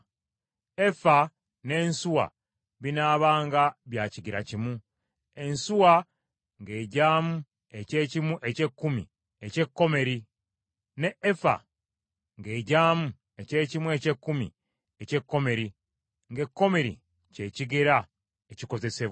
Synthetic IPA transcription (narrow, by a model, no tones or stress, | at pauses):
efa | ne̞ːnsuwa̰ | βinaːβaːŋɡaβjaːciɡiɾacimu | e̞nsuwa | ŋɡe̞ːɟaːmu | e̞ce̞ːcimuʔece̞kːumḭ | ece̞kːo̞me̞ɾi | neːfa̰ | ŋɡe̞ːɟaːmu | e̞ce̞ːcimwece̞kːumḭ | ece̞kːo̞me̞ɾi | ŋɡe̞kːo̞me̞ɾḭ | ce̞ːciɡeɾa | eciko̞ze̞se̞βwa